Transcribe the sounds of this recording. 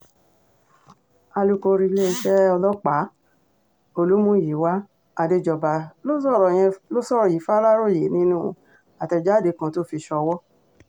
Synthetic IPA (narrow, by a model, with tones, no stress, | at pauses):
a˧lu˦ko˧ɾi˧le˦i˧ʃɛ˦ɔ˧lɔ˦k͡pa˨˦ | o˧lu˦mũ˦˨ji˨˦wa˦ | a˧de˧˦d͡ʒɔ˧ba˨lo˦sɔ˦˨ɾɔ˨j̃ɛ̃˧lo˦sɔ˦ɾji˨˦fa˦ɾa˦ɾo˦˨je˨˦nĩ˦nũː˦˧ | a˨tɛ˧˨d͡ʒa˦˨de˨˧˦kã˧to˦fi˧ʃɔ˧wɔ˦